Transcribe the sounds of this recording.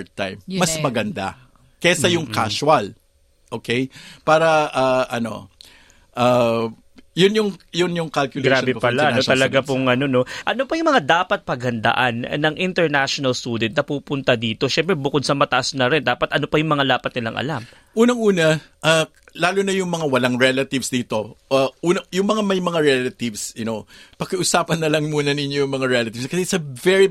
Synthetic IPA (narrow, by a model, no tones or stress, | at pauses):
t̪ːajmːɐsmɐɡɐnd̪a̰ | kɛɐjʊŋka̰swɐl | ʔoːkʰɛjpaːɾɐʔaʔɐno̞̰ | ʔa | jʊnjʊŋjʊnjʊŋkɐlkjʊlɡɾabɛpɐlaoɐlɐɡapʊŋʔɐno̞no̞ʔɐno̞pɐjʊŋmɐŋad̪aːpɐt̪̚pɐɡ̚hɐnd̪ɐ̰ʔanːɐŋʔɪnt̪ɛɹnaʃonɐlst̪uːd̪ɛnt̪nɐpuːpʊnt̪ɐd̪iːt̪o̞ʃɛmpɾɛbʊkod̪̚sɐmɐt̪ɐʔasnɐɾɛnd̪aːpɐt̪ʔɐnopɐjʊŋmɐŋalaːpɐt̪nɪla̰ŋʔɐ̰lam | ʔuːnɐŋuːnɐʔa | laːlʊnɐjʊŋmɐŋawɐlaŋɹɛlɐt̪ɪvsd̪iːt̪o̞ʔaʔuːnɐjʊŋmɐŋamɐjmɐŋaɹɛlɐt̪ɪvsjʊnopɐkɐʔusaːpɐnːɐlɐŋmuːnɐninjojʊŋmɐŋaɹɛlɐt̪ɪvskɐsɛsɐvɛɹi